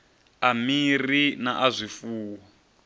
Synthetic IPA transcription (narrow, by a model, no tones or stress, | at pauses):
amirinaʔazʷifuːwa